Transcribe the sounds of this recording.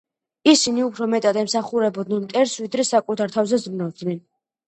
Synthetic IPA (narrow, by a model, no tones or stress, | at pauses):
isiniupʰɾɔmɛt̪ʼad̪ɛmsaχuɾɛbɔd̪nɛnt̪ʼɛɾsvid̪ɾɛsakʼut̪ʰaɾt̪ʰavzɛzɾnavd̪nɛn